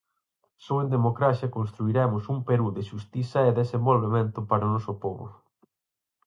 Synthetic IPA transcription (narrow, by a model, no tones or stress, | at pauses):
soend̪emokɾasjɐkonst̪ɾuiɾɛmʊsumpeɾuðeʃust̪iθɐeðesembolβemẽnt̪ʊpaɾʊnɔsʊpoβʊ̰